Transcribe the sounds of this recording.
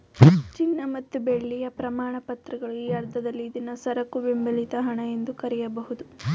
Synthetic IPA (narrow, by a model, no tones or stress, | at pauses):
t͡ʃinːɐmɐt̪ːubeɭːijɐpɾɐmaːɳɐpɐt̪ɾɐɡɐɭuiːɐɾd̪ʱːɐd̪ɐlːiːd̪inɐsɐɾɐkːuʋimbɐlit̪ɐɦɐɳɐje̞nd̪ukɐɾɛjɐbɐɦud̪u